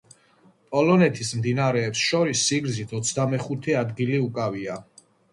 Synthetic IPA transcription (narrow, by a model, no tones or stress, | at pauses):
pʼɔlɔnɛt̪ʰismd̪inaaɾɛːpsʃɔɾisːiɡɾzit̪ʰɔt̪sʰd̪amɛχut̪ʰɛad̪ɡiliukʼavia